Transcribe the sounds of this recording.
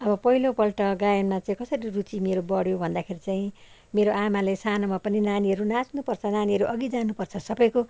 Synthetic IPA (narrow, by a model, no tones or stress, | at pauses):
ʌbʌpʌɦilopʌlʈʌɡajʌnmat͡saĩkʌsʌɾirut͡simeɾobʌɽjobʱʌnd̪akʰeɾit͡saĩ | meɾoʔamalesanomapʌninaniʌɾunasnupʌrt͡sʰʌnaniɦʌɾuʔʌɡid͡zanupʌrt͡sʰʌsʌbʌjko